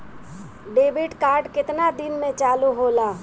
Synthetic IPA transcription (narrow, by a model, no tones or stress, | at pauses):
ɖeːbɪʈkaːɾɖkɪt̪nad̪ɪnmẽt͡ʃaːluɦoːlaː